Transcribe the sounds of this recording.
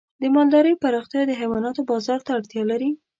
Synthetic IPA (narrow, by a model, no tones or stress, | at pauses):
d̪əmɑld̪ɑɾəjpaɾɑxt̪jɑd̪əɦawɑnɑt̪obɑzɑɾt̪aːɽt̪jɑlaɾi